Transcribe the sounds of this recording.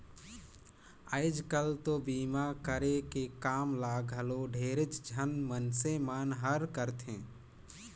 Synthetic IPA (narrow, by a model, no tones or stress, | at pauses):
əɪd͡ʒkəlt̪obiːmakəɾekekaːmlaːɡʱəloɖʱeːɾɪt͡ʃd͡ʒʱənmənsemaːnɦəɾkəɾt̪ʰẽː